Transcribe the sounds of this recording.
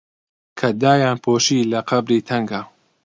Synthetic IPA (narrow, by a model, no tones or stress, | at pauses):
kʰɐd̪aːjaːnpʰoːʃiːlɐqʰɐbɾiːt̪ʰɐŋɡa